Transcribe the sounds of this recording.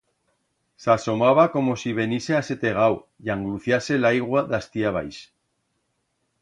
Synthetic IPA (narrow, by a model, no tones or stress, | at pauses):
saso̞maβ̞ako̞mo̞siβ̞e̞nisease̞t̪e̞ɣ̞awjaŋɡluθjase̞lajɣwaðast̪iaβ̞a̰js